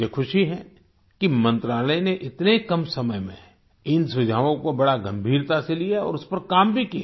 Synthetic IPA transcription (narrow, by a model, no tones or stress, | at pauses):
ekʰʊʃiɦɛ | kimɐ̃nt̪ɾaːləjneʔɪt̪nekɐmsɐməjmḛ̃ | ɪnsʊd͡ʒʱaːʋõkobɐɽaɡɐ̃mbʱiːɾt̪aselijaɔ̰ːɾʊspɐɾkaːmbʱikija